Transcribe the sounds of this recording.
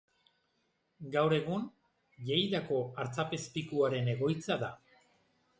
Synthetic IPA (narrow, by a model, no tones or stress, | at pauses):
ɡawɾe̞ɣun | ʎejðako̞aɾt͡sape̞spikuaɾe̞ne̞ɣo̞jt͡saða